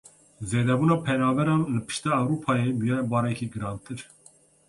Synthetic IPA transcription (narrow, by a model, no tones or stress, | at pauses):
zeːd̪ɛbuːnɑːpʰɛnɑːvɛɾɑnlɨpʰɨ̥ʃt̪ɛːwɾuːpʰɑːjebujɛbɑːɾɛkʰiɡɨɾɑːnt̪ʰɨɾ